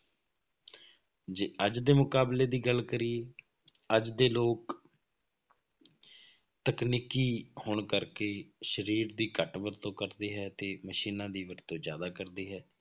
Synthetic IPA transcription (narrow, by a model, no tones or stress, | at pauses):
d͡ʒeːəd͡ʒd̪eːmʊkaːbleːd̪iːɡəlkəɾieː | əd͡ʒd̪eːloːk | t̪əkniːkiːhoːɳkəɾkeːʃəɾiːɾd̪iːkəʈʋəɾt̪õːkəɾd̪iːɦɛːt̪eːməʃiːnãːd̪iːʋəɾt̪õːzjaːd̪aːkəɾd̪iːɦɛː